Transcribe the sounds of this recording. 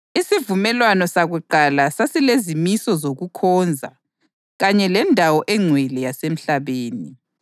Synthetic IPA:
isivumɛlwanɔsaɣuǃalasasilezimisɔzoɣukʰɔːnd͡zʱa̰ | ɣaɲɛlɛndʱawɔʔɛŋ͡ǀʱwɛlɛjasem̩ɬaβeːni

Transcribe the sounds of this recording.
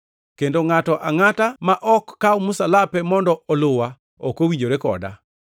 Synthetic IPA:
kendoŋatɔʔaŋatamaʔɔkːaumusalapɛmɔndɔɔlʊwa | okowiɲd͡ʒoɾekɔ̰da̰

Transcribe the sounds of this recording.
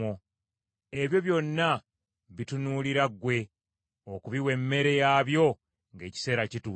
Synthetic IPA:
o | e̞βjo̞βjo̞nːa | βitunuːliɾaɡwe̞ | okuβiwe̞mːe̞ɾe̞jaːβjo̞ | ŋɡe̞ːci̥se̞ːɾacitu

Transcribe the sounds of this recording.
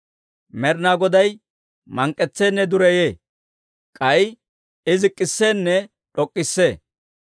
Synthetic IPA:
mɛɾnaːɡɔd̪ɐj | mɐŋkʼːɛt͡sːeːnːɛd̪ʊɾɛjeː | kʼɐj | ɪzɪkʼːɪsːeːnːɛ | ᶑɔkʼːɪsːeː

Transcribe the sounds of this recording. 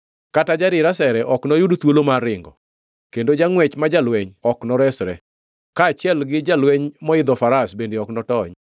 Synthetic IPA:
katad͡ʒaɾɪɾasɛɾɛʔɔknɔjʊdt̪wolomaɾɪŋɡɔ | kendod͡ʒaŋwɛt͡ʃmad͡ʒalwɛɲɔknɔɾɛsɾɛ | kaːt͡ʃjɛlɡɪd͡ʒalwɛɲmɔɪd̪ɔfaɾasbendeɔknɔtɔɲ

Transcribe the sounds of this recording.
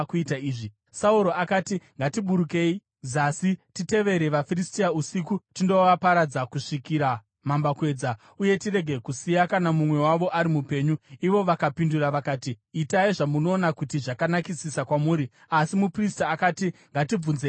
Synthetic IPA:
kuitaiːʐi | sauɾo̞akatiŋɡatiɓuɾuke̞i | zasitite̞ʋe̞ɾe̞ʋafiristiausikutindo̞ʋapaɾad͡zakuʂikiɾa | mambakwe̞ːd͡za | uje̞tire̞ɡʱe̞kusijakanamumwe̞waʋo̞ʔaɾimupe̞ɲuiʋo̞ʋakapinduraʋakaːtiːtaiʐamuno̞ːnakutiʐakanakisisakwamuːɾi | asimupristaːkaːtiŋɡatib͡vunze

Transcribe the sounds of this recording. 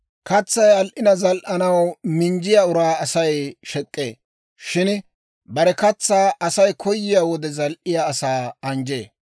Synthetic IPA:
kɐt͡sːɐjɐlʔɪnɐzɐlʔɐnɐwmɪnd͡ʒɪjaʊɾaːɐsɐjʃɛkʼːḛː | ʃɪn | bɐɾɛkɐt͡sːaːʔɐsɐjkʰɔjːɪjaːwɔd̪ɛzɐlʔɪjaːsaːɐnd͡ʒeː

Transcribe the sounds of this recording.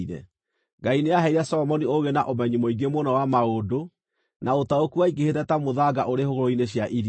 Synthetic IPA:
ɾɛ̰ | ɡaineaɦɛiɾɛsɔɔmɔnioɣena̰ʔomɛɲimoiɡemonawamaodo | naotaokuaiɡehetɛtamoðaɡa̰ʔoɾehoɣoɾoineɕjaʔiɾ

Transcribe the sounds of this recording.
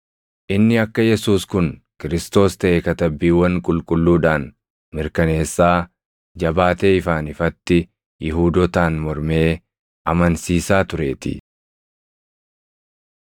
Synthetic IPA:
ʔɪnːɪɐkːɐjɛsuːskʊn | kɪɾɪst̪o̞ːst̪ɐʔeːkɐt̪ɐbːiːwɐnkʼʊlkʼʊlːuːᶑaːn | mɪɾkɐne̞ːsːaː | d͡ʒɐbaːt̪e̞ːɪfaːnɪfɐt̪ːɪ | jɪɦuːd̪ɔt̪aːnmɔɾme̞ː | ʔɐmɐnsiːsaːt̪ʊɾe̞ːt̪ɪ̰

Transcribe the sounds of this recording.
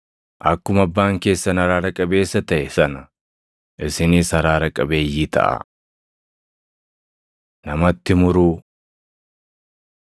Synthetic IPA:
ʔɐkːʊmɐbːaːŋke̞ːsːɐnɐɾaːɾɐkʼɐbe̞ːsːɐt̪ɐʔɛsɐnɐ | ʔɪsɪniːshɐɾaːɾɐkʼɐbe̞ːjːiːt̪ʰɐ̰ʔɐ̰ | nɐmɐt̪ːɪmʊɾuː

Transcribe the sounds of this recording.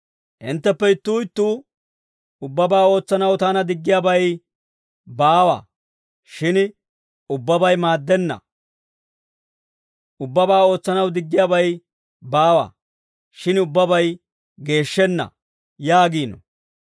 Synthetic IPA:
ʔɪ̰nt̪ːɛpːɛɪt̪ːuːɪt̪ːuː | ʊbːɐbaːo̞ːt͡sːɐnɐwt̪aːnɐd̪ɪɡːɪjaːbɐj | baːwɐ̰ | ʃɪn | ʊbːɐbɐjmaːd̪ːɛnːɐ̰ | ʊbːɐbaːo̞ːt͡sːɐnɐwd̪ɪɡːɪjaːbɐj | baːwɐ̰ | ʃɪnʊbːɐbɐj | ɡe̞ːʃːɛnːɐ̰ | jaːɡiːnɔ̰

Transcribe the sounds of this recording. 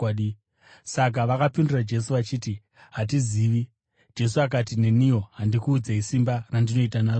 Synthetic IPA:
i | sak̬aʋakapindurad͡ʒe̞s̬uʋat͡ʃiːti | ɦat̬iziːʋi | d͡ʒe̞suak̬atine̞nijo̞ɦandikuːd͡zaisimbarandino̞itanaːro

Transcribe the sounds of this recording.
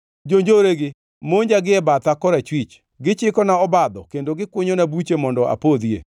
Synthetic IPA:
d͡ʒoɲd͡ʒoɾeɡɪ | moɲd͡ʒaɡɪɛbat̪akɔɾat͡ʃwit͡ʃ | ɡɪt͡ʃɪkɔnaɔbad̪ɔkendoɡɪkwʊɲonabut͡ʃemɔndɔʔa̰pod̪iḛ

